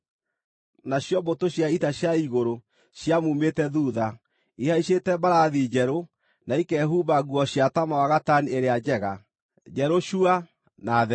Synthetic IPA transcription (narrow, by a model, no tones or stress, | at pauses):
naɕjɔbotoɕjaitaɕjaiɣoɾo | ɕjamumetɛðuːða | ihaiɕetɛbaɾaðid͡ʒɛɾo | naikɛɦuβaɣwɔɕjatamawaɣatanieɾead͡ʑɛɣa | d͡ʒɛɾoɕua | naðɛ